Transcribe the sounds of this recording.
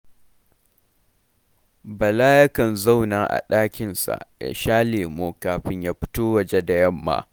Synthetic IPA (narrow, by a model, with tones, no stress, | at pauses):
bɐ˨la˦jɐ˦kɐ˨nza˦˨wnaː˨ʔa̰˨ɗaː˦kʲɪ˨nsa̰˨ʔja̰˨ʃaː˦leː˨moː˦kaː˨ɸɪ˦ɲjaː˦ɸɪ̥˦toː˦wɐ˨d͡ʒe˦da˨jɐ˦mːa̰˨